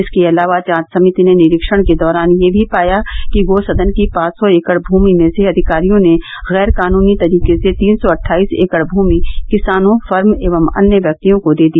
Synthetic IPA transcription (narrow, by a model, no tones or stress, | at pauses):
ɪskeɐlaːʋat͡ʃãːt̪sɐmɪt̪inenɪɾɪkʃəɽ̃ked̪ɔːɾaːnjebʱipaːjakiɡoːsɐd̪ənkipãːt͡ʃsɔeːkəɽbʱuːmimẽseɐd̪ʱɪkaːɾijõne | ɣɛːɾkaːnuːnit̪ɐɾiːkeset̪iːnsɔɐʈʰːaːiːsḛːkəɽbʱuːmikɪsaːnõfɐɾmeːʋəmɐ̰njəʋjɐk̚t̪ijõkod̪eːd̪ijaː